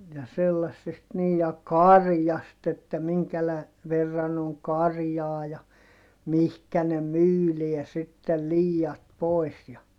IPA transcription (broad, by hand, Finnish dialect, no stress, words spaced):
jɑ selːɑsːest niːj jɑ kɑrjɑst etːæ miŋkælæ ʋerːɑn oŋ kɑrjɑː jɑ mihkæ ne myːliɛ sitːel liːjɑt poˑi̯s jɑ